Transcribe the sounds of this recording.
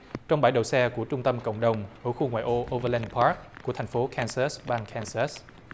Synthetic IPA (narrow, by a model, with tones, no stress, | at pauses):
t͡ɕɔ˧wŋ͡mɓaː˧˩jɗə̰˨wsɛ˧ku˧˩ət͡ɕʊ˧ŋ͡mt̪ə˧mkə̰˧˨wŋ͡mɗə˨˩wŋ͡mʔəː˧˩xu˧ŋwa̰ː˧˨jʔo˧ʔo˧və˧lɛ˧npʰaː˦˥k̚ːu˧˩ət̪ʰa˨˩ŋ̟fo˨˦kʰɛ˧nsa˦˥sɓaː˧nkʰɛ˧nsa˦˥s